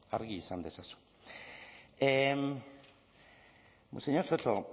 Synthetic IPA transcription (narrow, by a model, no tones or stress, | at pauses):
aɾɣiːsand̪e̞sasu̥ | em | seɲoɾsot͡ɬo